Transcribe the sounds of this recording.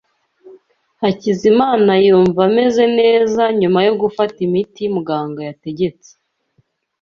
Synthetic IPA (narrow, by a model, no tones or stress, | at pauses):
hacizimaːnajuːɱvame̞ze̞ne̞ːzaɲumajo̞ɡufatimitimuɡaːŋɡojate̞ɟe̞t͡se̥